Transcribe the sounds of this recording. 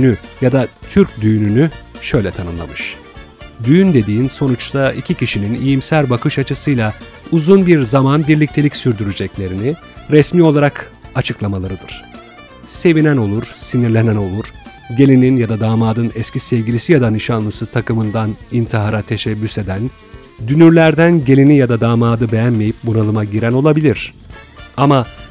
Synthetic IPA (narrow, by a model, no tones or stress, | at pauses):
nyjad̪at̪ʰyɾcd̪yːnynyʃø̞jlʲɛt̪ʰanɯmlˠa̰mɯʃ | d̪ynd̪e̞d̪iːnso̞nut͡ʃt̪ʰaicʰicʰiʃininḭjimsæɾbakʰɯʃat͡ʃʰɯsɯjlˠa | uzunbiɾzamanbiɾlʲic̚t̪ʰe̞lʲicsyɾd̪yɾyd͡ʒɛclʲe̞ɾini | ɾɛsmiːo̞lˠaɾak | at͡ʃʰɯklˠamalˠaɾɯd̪ɯɾ̥ | se̞vinæno̞lˠuɾ̥siniɾlʲe̞næno̞lˠuɾ̥ | ɟe̞lʲininjad̪ad̪aːmaːd̪ɯnɛscʰisɛvɟʲilʲisijad̪anɯʃanlˠɯsɯt̪ʰakɯmɯnd̪anint̪ʰiɦaɾat̪ʰe̞ʃɛbːyse̞d̪æn | d̪ynyɾlʲæɾd̪ænɟe̞lʲinijad̪ad̪aːmaːd̪ɯbe̞jænme̞jip̚bunalˠɯmaɟiɾæno̞lˠabilʲiɾ̥ | ama